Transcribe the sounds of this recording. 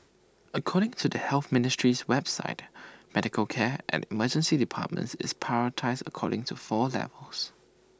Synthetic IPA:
əkʰɔɾɪ̃ŋtʰudəhɛlθmɪnɪstɹiswɛbsa̰ɪt̚mɛdɪkʰəlkʰɛʔɛ̰̃nʔɪməd͡ʒə̃nsidipʰa̰t̚mə̰̃ntsɪ̰spʰaɹətʰaɪsdəkʰɔ̰ɾɪ̃ŋtʰufɔlɛ̰vəls

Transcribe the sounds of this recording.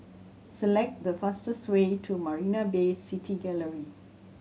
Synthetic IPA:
səlɛk̚t̚dəfastəswetʰumaɹinabesːitʰiɡɛləɹi

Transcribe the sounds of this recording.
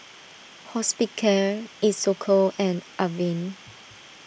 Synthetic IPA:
hɔspikʰəisːokʰɔɛ̃nʔavĩn

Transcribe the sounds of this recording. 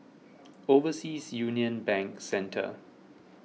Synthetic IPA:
ovəsiːsjuniə̃nbɛ̃ŋksɛ̃ntʰə̰

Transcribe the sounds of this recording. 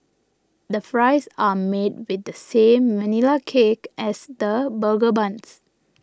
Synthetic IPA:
dəfɹaɪsamed̚wɪd̚dəsẽmːɛnilakʰekʔɛsdəbəlɡəbãns

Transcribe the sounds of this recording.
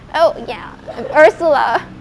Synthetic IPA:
ʔoʊjæ̰ | ɜ˞səl̩ˠə̰

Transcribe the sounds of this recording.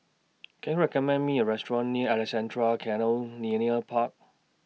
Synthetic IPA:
kʰɛ̃njuɹɛkɔmɛ̃nmiəɹɛstɹɔ̃nːiɛlisɛ̃ntʰɹalkʰɛ̃nəlniəniəpʰak̚

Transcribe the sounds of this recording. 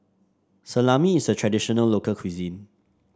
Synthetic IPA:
səlamiːsətʰɹɛdiʃɔnəllːokəlkʰwizĩn

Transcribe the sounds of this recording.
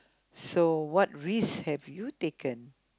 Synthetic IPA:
sowɔt̚ɹishɛvjutekə̃n

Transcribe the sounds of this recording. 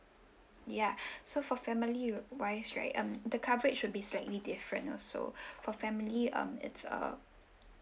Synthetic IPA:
jasofɔfɛmiliwaɪsɹa̰ɪtʌ̃md̪əkʰavəɹɪtʃʊd̚bislaɪtlidɪfɹə̰̃nɔ̰so̰fɔfɛmiliʌ̰̃mɪ̰tsə̰

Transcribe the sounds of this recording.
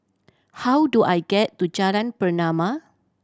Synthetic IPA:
hawduʔajɡɛtːud͡ʒaɾãnpərnãma

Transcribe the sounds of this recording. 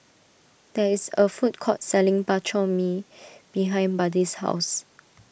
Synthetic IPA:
d̥ɛisəfut̚kʰɔt̚sɛlɪ̃ŋbat͡ʃɔmib̥iɦãɪ̃nbadisha̰ʊs

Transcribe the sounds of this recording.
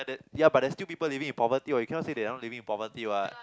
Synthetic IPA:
dɛjabat̚dɛstilpipəlivĩŋĩnpɔvət̪iɔjukʰɛ̃nɔʔsedɛnɔʔ̚livĩŋĩnpɔvət̪iwɔt

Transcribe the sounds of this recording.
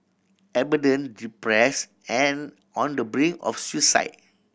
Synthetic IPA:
ɛbidə̃ndipɹɛs | ɛ̃n | ɔ̃ndəbɹĩŋɔ̰fswisa̰ɪt̚

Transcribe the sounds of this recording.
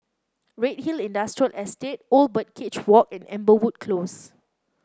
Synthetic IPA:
ɹet̚hilĩndastɹiəlʔɛstet̚olbət̚kʰɪt͡ʃwɔkɛ̃nɛ̰̃mbəwud̚kʰlos

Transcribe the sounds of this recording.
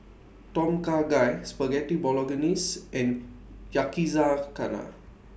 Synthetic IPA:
tɔ̃mkaɡajspəɡɛtibɔlɔɡənisɛ̃njakizakana̰

